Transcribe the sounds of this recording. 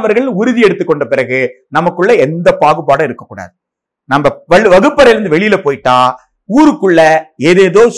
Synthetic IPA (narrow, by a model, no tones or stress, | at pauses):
ʋɐɾɣɐɭɪnʊɾɯðɪɛɽɯt̪ːɯkːɔɳɖɐpɪɾɐɣɯ | nɐmɐkːɯɭːɐɛnd̪ɐpaːɣɯpaːɽɐ̃ɪɾɯkːɐkːuːɽa̰ːðɯ | nɐmɐʋɐɭɯʋɐɣɯpːɐɾɐɾɯnd̪ɯʋɛɭɪjɪlɐpoːjʈːaː | uːɾɯkːɯɭːɐeːðeːðoːs